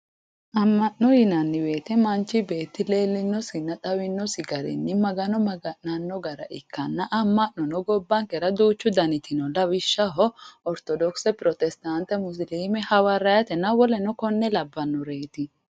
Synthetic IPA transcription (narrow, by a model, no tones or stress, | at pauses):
ʔɐmːɐʔnɔjɪnɐnːɪwe̞ːt̪ɛmɐnt͡ʃːɪbe̞ːt̪ːɪle̞ːlːɪnːɔsɪnːɐt̪ʼɐwɪnːɔsɪɡɐɾɪ̰nːɪmɐɡɐnɔmɐɡɐnɐnːɔɡɐɾɐ̰ʔɪ̰kːɐnːɐʔɐmːɐʔnɔnɔɡɔbːɐŋkɛɾɐd̪uːt͡ʃːʊd̪ɐnɪt̪ɪnɔlɐwɪʃːɐɦɔɔɾt̪ɔd̪ɔksɛpɾɔt̪ɛst̪ɐnt̪ɛmʊs̬liːmɛhɐwɐɾɐjɐt̪ɛnɐwɔlɛnɔkɔnːɛlɐbːɐnːɔɾeːt̪ɪ